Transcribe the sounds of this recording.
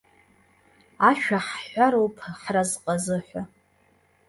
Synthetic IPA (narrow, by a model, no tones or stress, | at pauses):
aʃᶣaħħʷaɾowpʰħrazqʼazɨħʷa